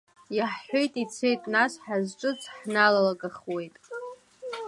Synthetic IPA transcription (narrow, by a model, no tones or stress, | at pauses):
jaħːojtʼit͡sʰe̞jtʼnasħazʈ͡ʂʼɨt͡sʰʼħnalalaɡaχwe̞jtʼ